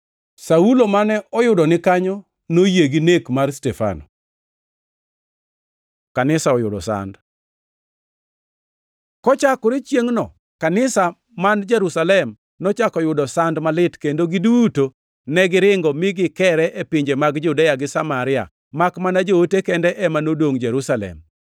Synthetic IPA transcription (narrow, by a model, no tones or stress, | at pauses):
saulomanɛʔɔjʊdɔnɪkaɲɔ | nojeɡinekmarstɛfa̰nɔ | kanɪsaɔjʊdɔ̰sa̰nd | kɔt͡ʃakʊɾɪt͡ʃjeŋnɔ̰ | kanɪsa | mand͡ʒɛɾusalɛm | nɔt͡ʃakɔjʊdɔsandmalɪtkendoɡiduːto | nɛɡɪɾɪŋɡɔmɪɡɪkɛɾɛʔepiɲd͡ʒemaɡd͡ʒudejaɡɪsamaɾɪa̰ | makmanad͡ʒootekɛndɛʔɛmanodwoŋd͡ʒɛɾusalɛ̰m